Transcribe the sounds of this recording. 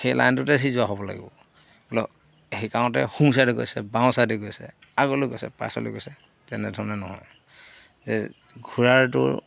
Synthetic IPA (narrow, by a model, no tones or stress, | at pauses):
xejlʔa̰jntʊtɛsizʊaɦɔbɔla̰ɡḭbɔ̰ | blɔ | hikaʊ̃tɛxumsadiɡo̰jsɛbãw̃sadiɡojsɛ̰ | aɡolʊɡojsɛpa̰sɔ̰lʊ̰ɡojsɛ | tɛnɛdʱɔɹɔnɛnɔɦɔ̰j | zɛ̰ | ɡʱuɹaɹtʊ̰ɹ